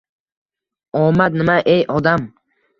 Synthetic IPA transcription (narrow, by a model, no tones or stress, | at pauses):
ɒmat̪nɪmaʔejʔɒd̪am